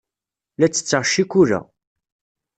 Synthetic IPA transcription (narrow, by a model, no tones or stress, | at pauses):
læt͡sːə̥t͡sːəʁʃːikuɾæ̰